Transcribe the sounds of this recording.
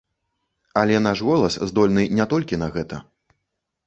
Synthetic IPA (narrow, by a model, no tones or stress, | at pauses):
ɐlʲɛnaʂɣɔlˠɐszd̪ɔlʲnɨnʲɛt̪ɔlʲkʲinɐɣɛt̪ɐ̰